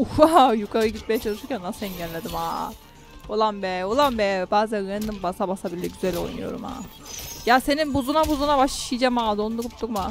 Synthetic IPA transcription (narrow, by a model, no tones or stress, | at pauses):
uajukʰaɾɯɟit̪mejɛt͡ʃʰalˠɯʃɯɾcʲʰænːasinɟɛlʲːed̪ima̰ː | olˠanbɛolˠanbɛbaːzænɯɯnnɯmbasabasabilːɛɟyzælʲo̞̰jnṵjo̞̰ɾṵma̰ːjaːse̞ninbuzunabuzunabaʃi̥ʃɯid͡ʒamaːd̪ond̪uɾupt̪ukma